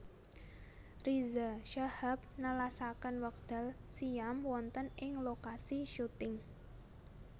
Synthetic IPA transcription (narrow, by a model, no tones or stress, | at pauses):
rizaʃahap̚nəlasakənwək̚d̪̥a̤lsijamwɔnt̪ənɪŋlokasiʃut̪ɪŋ